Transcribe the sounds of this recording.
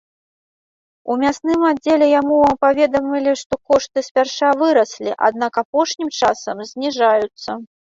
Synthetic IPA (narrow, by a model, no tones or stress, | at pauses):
umʲasnɨmadd͡zʲelʲɛjamuapavʲɛd̪ɐmʲilʲiʂt̪ɔkɔʂt̪ɨsʲpʲarʂavɨɾɐsʲlʲḭʔa̰d̪̚nakapɔʂnʲimt͡ʂasɐmzʲnʲiʐajut̪sːɐ